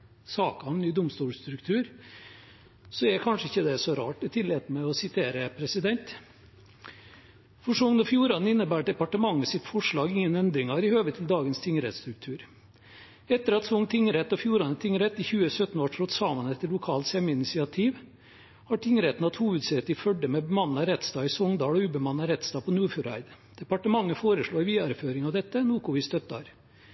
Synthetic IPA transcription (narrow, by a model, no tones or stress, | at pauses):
sɑːkɑʋnyːd̪ʊmst̪uːlst̪ɾʉkt̪ʰʉːɾ | sɔɛkʰɑnʂəɪçːəd̪ɛsɔɾɑ̰ːʈɔt̪ʰɪleːt̪mɛɔsɪt̪ʰeːɾəpʰɾɛsɪd̪ɛnt̪ | fɔʂɔʊŋnəfjuːɾɑnɪnːəbæːʈ̚ɖ̪ɛpɑʈəmɑŋːəsɪt̪fɔʂɭɑːɡɪŋːənɛnd̪ɾɪŋɑɾɪhøːʋət̪ʰɪld̪ɑːɡənst̪ʰɪŋəɾɛt̪st̪ɾʉk̚t̪ʰʉːɾ | ɛt̪ːəɾɑt̪sɔŋt̪ʰɪŋəɾɛt̪ːɔfjuːɾɑnət̪ʰɪŋɾɛt̪ːɪçʉːəsœt̪n̩ʋɑʈʰɾɔt̪sɑːmɑnɛt̪ːəlʊkʰɑːlt̪sjɛməɪnɪsɪɑt̪ʰiːʋ | hɑːʈʰɪŋəɾɛt̪n̩ɑt̪huːʋəd̪sɛt̪ɪfœɖəmɛbəmɑnːɑɾɛt̪st̪ɑːɪsɔŋd̪ɑːɽɔʉːbəmɑnɑɾɛt̪st̪ɑːpʰɔnuːfʉɾæ̰ɪd̪ | d̪̥ɛpɑʈəmɑŋːəfoːɾəʂɭoːʋiːɑɾəføːɾɪŋɑʋd̪ɛt̪ːənuːkʊʋɪst̪œt̪ːɑ̰ɾ